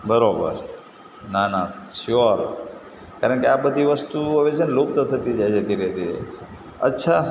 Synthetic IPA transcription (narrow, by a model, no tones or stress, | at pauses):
bəɾobə̰ɾ | nanaʃoɾ | kaɾəɳkeabəd̪ʱiʋəst̪uɦəʋet͡ʃʰenlop̚t̪ot̪ʰət̪id͡ʒajt͡ʃʰed̪ʱiɾed̪ʱiɾḛ | ə̰tːʃʰa